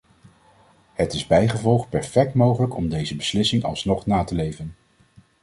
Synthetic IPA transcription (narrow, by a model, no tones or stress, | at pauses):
hətɪzbɛjχəvɔlˠχpɛɹfɛk̚tmowχələkɔmdejzəbəslɪsɪŋɑ̰lˠsnɔχnaːtəlejvən